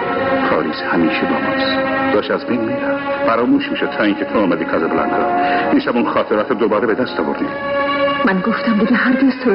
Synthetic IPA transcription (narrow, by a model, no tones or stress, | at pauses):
pʰɒːɾiːzhæmiːʃebɒːmɒːst̪d̪ɒːʃæzbejnmiɾæffæɾɒːmuːʃmiːʃod̪̚t̪ʰɒːiŋcʰet̪ʰoːmæd̪iːkʰɑzebolæ̰nkʰɒ̰ːiːʃæmunxɒːt̪ʰeɾɒːt̪ʰɾd̪obɒːɾebed̪æst̪ɒːvoɾd̪ḭ | mænɡoft̪æmd̪eɡeɦæɾɡez̥t̪ʰo